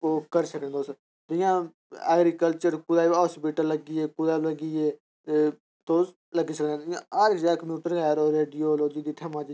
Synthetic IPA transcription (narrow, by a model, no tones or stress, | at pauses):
oːkəɾsəknẽːd̪oːs | d̪ʊjãː | ɛːɡɾiːkəlt͡ʃəɾkʊd̪aːspiʈələɡiːeːkʊd̪aːbləɡiːeː | t̪e | t̪oːs | ləɡiːsəknẽːɪjãːaɾɪkd͡ʒɛːkəmjuːʈəɾɛːɾoːɾeːɖioːloːd͡ʒiːd̪iːʈ̪ʰɛːmãːt͡ʃi